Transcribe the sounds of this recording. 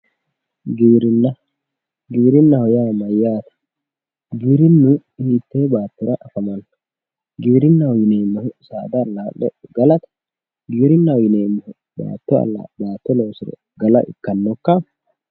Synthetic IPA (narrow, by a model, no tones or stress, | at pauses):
ɡiːɾɪnːɐ | ɡiːɾɪnːɐhɔjaːmɐjːaːt̪ɐ̥ | ɡiːɾɪnːʊ | ɪnit̪ːeːbaːt̪ːɔɾɐʔɐfɐmɐn | ɡiːɾɪnːɐɔjɪneːmːɛhʊsaːd̪ɐːlːaɗɛɡɐlɐt̪ɐ̥ | ɡiːɾɪnːɐwɔjɪneːmːɛhʊ | ba̰ːt̪ːɔɐ̰lːa̰baːt̪ːɔlo̞ːsɪɾɛ̰ | ɡɐlɐ̰ʔɪ̰kːɐnːɔkːɐ